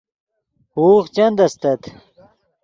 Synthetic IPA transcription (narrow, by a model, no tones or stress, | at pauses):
huːxt͡ɕɐnd̪ɐst̪ɐt̪